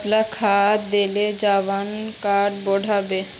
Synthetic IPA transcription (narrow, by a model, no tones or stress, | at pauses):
t̪lakʰat̪d̪eled͡ʑabankaʈboɖʱabe